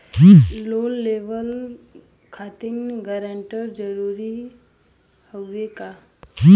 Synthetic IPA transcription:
loːlːeʋəl | kʰat̪inɡəɾəɳʈəɾd͡ʒəɾuːɾi | həeka

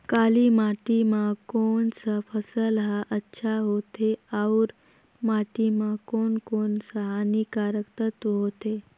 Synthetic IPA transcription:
kaliːmaʈimakoɳsəfʰəsəlɦaʔətːɕʰaɦot̪eawɾ | maʈimakonkonsəɦanikaɾəkt̪ət̪ɦot̪e

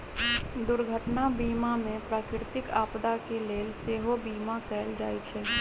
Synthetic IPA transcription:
d̪ʊɾɡʱəʈnabiːmamẽpɾaːkɾɪt̪ɪkaːpd̪akeleːlseːɦobiːmakɛːld͡ʒaːit͡ʃʰɛː

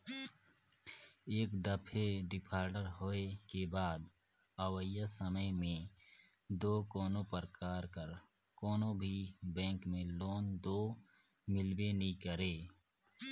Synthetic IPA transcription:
eːkd̪əpʰeɖɪpʰaːɾɖəɾɦoːekebaːd̪ | əwəjasəməjmẽ | d̪oːkoːnõpəɾkaːɾkəɾ | koːnobʱibɛ̃ːŋkmẽloːnd̪oː | mɪlwenĩkəɾeː

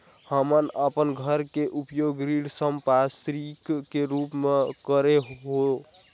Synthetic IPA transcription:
həmənəpənɡʱəɾkeʔupjoɡɾiɽsəmpast̪ɾikːeɾupmekəɾeɦɦo

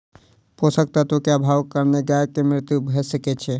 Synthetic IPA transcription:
posək̚t̪at̪okeabʱaʋkəɾneɡaekemɾɪt̪jubʱɛsəket͡ʃʰe

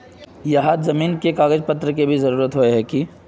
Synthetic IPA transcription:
jɐɦazɐmiːnkekaːɡəd͡ʒpɐt̪ɾəkebʱizɐɾuːɾət̪ɦoeɦɛki

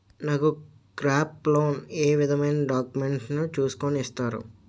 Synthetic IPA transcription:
naku | kɾaːpːloːneːʋid̪ʱɐmɐjnɐɖaːkumeɳʈnut͡ʃuːsu̥konist̪aːɾṵ

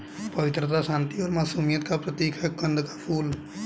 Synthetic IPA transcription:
pəʋɪt̪ɾət̪aʃãːnt̪iɔːɾmaːsuːmijət̪kapɾət̪iːkʰɛkə̃nd̪kḁpʰuːl

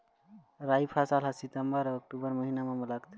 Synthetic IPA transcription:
ɾajpʰasalɦəsit̪əmbəɾək̚ʈubəɾməɦinamemələɡt̪ʰ

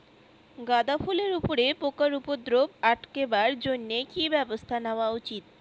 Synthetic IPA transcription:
ɡad̪afuleɾupoɾepokaɾupod̪ɾobaʈkebaɾd͡ʑonːekibɛbost̪ʰaneoaut͡ɕit̪̚

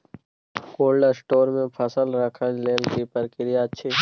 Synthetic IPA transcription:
koːlɖəsʈoːɾmẽpʰɐsəlɾəkʰənleːlkipəɾkɪɾijat̪ːt͡ʃʰiː

